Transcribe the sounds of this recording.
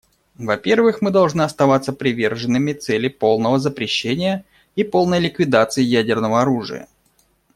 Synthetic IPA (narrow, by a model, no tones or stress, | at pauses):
vɐpʲe̞rvɨxmɨd̪ɐlˠʐnɨɐst̪ɐvat̪sːəpɾʲɪvʲe̞rʐɨnːɨmʲɪt̪sɛlʲɪpo̞lˠnəvəzəpɾʲɪɕːenʲɪjə | ipolˠnəjlʲɪkvʲɪd̪at̪sɨɪjædʲɪrnəvəɐɾuʐɨ̰jə̰